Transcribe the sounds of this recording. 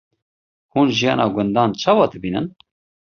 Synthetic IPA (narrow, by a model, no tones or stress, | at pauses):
huːnʒijɑːnʔɑːɡʊnd̪ɑːnt͡ʃʰɑːwɑːd̪ɨbiːnɨ̰n